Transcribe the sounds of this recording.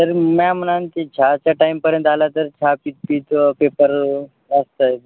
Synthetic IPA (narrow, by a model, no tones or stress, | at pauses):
t̪əɾmam̤ənant̪it͡ɕʰat͡ɕaʈajmpəɾjə̃nt̪alat̪əɾt͡ɕʰapit̪̚piːt̪pepəɾ | əst̪əj